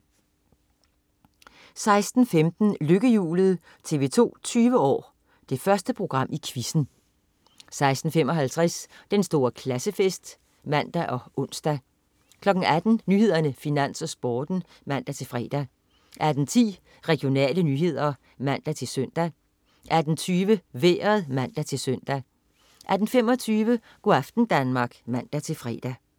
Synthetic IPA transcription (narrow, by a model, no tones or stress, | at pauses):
sɑ̈ɪsd̥n̩femd̥n̩løɡ̥əjṵːlð̞̩ˠ | t͡sʰe̝ʋe̝t͡sʰo̝̰ːt͡sʰyːʋəɒ̰ː | d̥e̝fɶɐsd̥əpʰʁo̝ɡ̥ʁɑ̈m̰ʔikʰʋisn̩ | sɑ̈ɪsd̥n̩fem̰ɒ̽ɦælt͡sʰʁɛsd̥ensd̥o̝ːɐkʰlæsəfesd̥ | mæn̰d̥æʔɒ̽ʔɔ̽n̰sd̥æ | kʰlɒ̽ɡ̥ŋ̩æd̥n̩nyhe̝ð̰ˠɐnəfinæn̰sɒ̽sb̥ɒːd̥n̩ | mæn̰d̥æt͡sʰe̝fʁɛ̰ːd̥æ | ʔæd̥n̩t͡sʰḭː | ʁɛɡ̥jo̝nɛ̰ːlənyːɦe̝ð̞̰ˠɐ | mæn̰d̥æt͡sʰe̝lsøn̰d̥æ | ʔæd̥n̩t͡sʰyːʋəʋḛːɐð̩ˠmæn̰d̥æt͡sʰe̝lsøn̰d̥æ | ʔæd̥n̩femɒ̽t͡sʰyːʋə | ɡ̥oæfd̥n̩d̥ænmɑ̈ːɡ̥mæn̰d̥æt͡sʰe̝lfʁɛ̰ːd̥æ